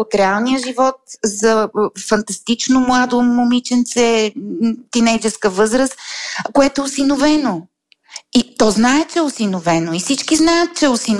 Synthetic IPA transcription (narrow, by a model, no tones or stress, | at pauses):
ot̪ɾɛalˠnijəʒivɔt̪̚zɐfɐnt̪ɐst̪it͡ʃnomlˠad̪omomit͡ʃɛnt̪sɛ | t̪inɛjd͡ʒɛskəvɤzɾəst̪koɛt̪oɛʊsinovɛno | it̪ɔznaɛt͡ʃɛɛʊsinovɛnoifsit͡ʃkiznajət̪̚t͡ʃɛʊsin